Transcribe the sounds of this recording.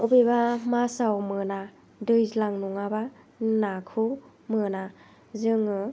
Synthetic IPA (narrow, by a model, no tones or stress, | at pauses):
ubebamasawmɯna | dɯjzlaŋnuŋaba | nakʰɯ | mɯna | zɯŋɯ